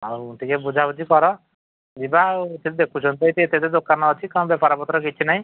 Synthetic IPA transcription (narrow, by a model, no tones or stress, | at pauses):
awt̪ʰikebud͡ʒʱabud͡ʒikɔɾɔ | d͡ʒibat̪et̪ed̪ekʰut͡ʃʰɔnt̪ɔit̪iet̪et̪ed̪okːanɔːt͡ʃʰikañbjɛpaɾɔpɔt̪ɾɔkit͡ʃʰinaɦĩ